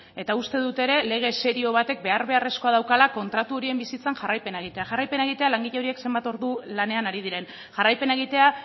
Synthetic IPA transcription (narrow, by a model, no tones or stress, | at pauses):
e̞t̪aust̪e̞ðut̪e̞ɾe̞le̞ɣ̞e̞se̞ɾio̞β̞at̪e̞k̚be̞aɾβe̞are̞sko̞aðawkalako̞nt̪ɾat̪uo̞ɾie̞mbisit͡sanʝarajpe̞nae̞ɣ̞it̪e̞aʝarajpe̞nae̞ɣ̞it̪e̞alaŋɡiʎeo̞ɾie̞kse̞mbat̪o̞ɾðulane̞anaɾiðiɾe̞n | ʝarajpe̞nae̞ɣ̞it̪e̞a